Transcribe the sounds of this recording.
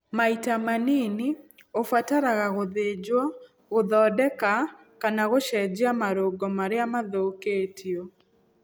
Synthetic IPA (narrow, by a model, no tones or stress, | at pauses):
maitamanini | ofwataɾaɣaɣoðed͡ʒwɔ | ɣoðɔːdɛka | kanaɣoʃɛd͡ʒeamaɾoɡɔmaɾeamaðoketio